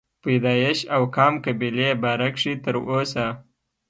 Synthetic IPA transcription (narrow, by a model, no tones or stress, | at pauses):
pajd̪ɑjɪʃawkɑmkabilebaɾakʂit̪əɾosa